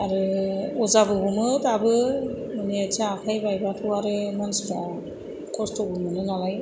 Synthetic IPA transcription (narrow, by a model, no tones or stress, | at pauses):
aɾɯɔzabɯɡumɯtabɯ | mɯniat͡ʃʰaːkʰajbajbatʰɯwaɾɯmansta | kɔstʰɔɡunmɯnɯnalaj